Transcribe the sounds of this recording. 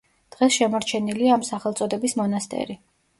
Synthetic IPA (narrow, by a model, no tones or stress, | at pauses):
d̪̥ʁɛsʃɛmɔɾt͡ʃʰɛniliaːmsaχɛlˠt̪sʼɔd̪ɛbismɔnast̪ʼɛ̰ɾi